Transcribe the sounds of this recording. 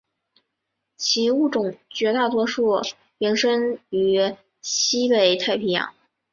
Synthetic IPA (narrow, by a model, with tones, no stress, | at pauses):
t͡ɕʰi˧˥u˥˩ʈ͡ʂʊ˨˩ŋt͡ɕɥɛ˧˥t̪a˥˩t̪wɔ˥ʂu˥˩ | ɥi˧˥nʂə˥ŋy˧˥ | ɕi˥pe˨˩ɪt̪ʰa˥˩ɪpʰi˧˥jɑ̰˧˩˥ŋ